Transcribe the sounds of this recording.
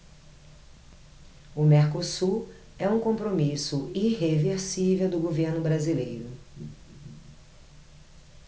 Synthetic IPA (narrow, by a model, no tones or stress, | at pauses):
ʊmɛɾkosu | ɛũkõpɾomisʊiɦeveɾsivewd̪ʊɡoveɾnʊbɾazilejɾʊ